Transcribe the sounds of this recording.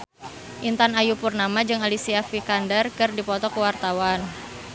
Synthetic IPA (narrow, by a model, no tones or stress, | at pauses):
ʔint̪anajupurnamad͡ʒɨŋalisiafikandərkɨrdipɔt̪ɔkəwart̪awan